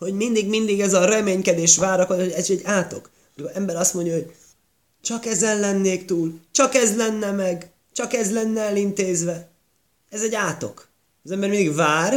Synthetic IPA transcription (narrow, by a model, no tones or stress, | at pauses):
ho̞ɟmind̪iɡmind̪iɡɛzɒɾɛmeːɲkɛd̪eːʃvaːɾɒkooɛzɛɟːaːt̪o̞̰k | mikoɾɛmbɛɾɒst̪mo̞ɲɟjɒɦoɟ | t͡ʃɒkɛzɛnlɛnːeːkt̪uːlt͡ʃɒkɛzlɛnːɛmɛɡ | t͡ʃɒkɛzlɛnːɛɛlint̪eːzʋɛ | ɛzɛɟːaːt̪o̞̰kː | zɛmbɛɾmind̪iɡvaːr